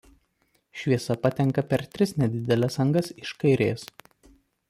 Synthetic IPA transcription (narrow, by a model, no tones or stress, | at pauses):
ʃʲʋʲiɛsɐpɐt̪ʲɛŋkɐpʲɛɾt̪ʲɾʲɪsnʲɛd̪ʲɪd̪ʲɛlʲɛsɐŋɡɐsɪʃkɐɪɾʲḛːs